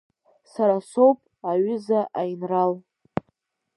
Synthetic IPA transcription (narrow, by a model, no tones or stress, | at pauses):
saɾaso̞wpʼ | aɥʏzaʔajnral